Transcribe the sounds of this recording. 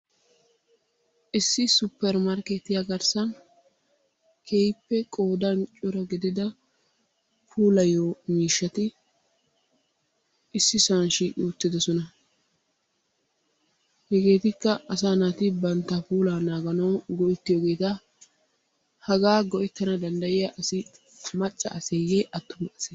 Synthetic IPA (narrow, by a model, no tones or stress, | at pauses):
ʔɪsːɪsʊpːɛɾmɐɾket̪ːɪjaɡɐɾsɐn | kʰejpːɛkʼoːd̪ɐnt͡ʃʼʊɾɔɡɪd̪ɪd̪ɐ | pʰuːlɐjoːmiːʃːɐt̪ɪ | ʔɪsːɪsɐnʃiːʔɪʊt̪ːɪd̪ɔsɔnɐ | hɛɡe̞ːt̪ɪkːɐɐs̬aːnat̪ɪbɐnt̪ːɐpuːlaːnaːɡɐnɐwɡɔʔɪt̪ːɪjoɡe̞ːt̪ɐ | hɐɡaːɡɔʔɪt̪ːɐnɐd̪ɐnd̪ɐjɪjɐʔɐsɪ | mɐt͡ʃʼːɐ̰ʔɐsejeːʔɐt̪ːʊmʔɐse